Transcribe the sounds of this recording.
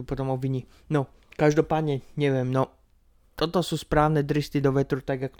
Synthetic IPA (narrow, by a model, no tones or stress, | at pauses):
upɔt̪ɔmɔbʋiɲi | nɔ | kaʒd̪ɔpaːd̪ɲɛɲɛʋɪɛmnɔ | t̪ɔt̪ɔsuːspɾaːʊnɛd̪ɾist̪id̪ɔʋɛt̪ɾut̪aɡakɔ